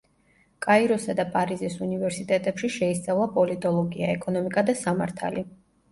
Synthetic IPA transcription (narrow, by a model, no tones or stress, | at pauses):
kʼaiɾɔsad̪apʼaɾizisunivɛɾsit̪ʼɛt̪ʼɛpʃiʃɛist̪sʼavlˠapʼɔlit̪ʼɔlˠɔɡia̰ɛkʼɔnɔmikʼad̪asamaɾt̪ʰa̰li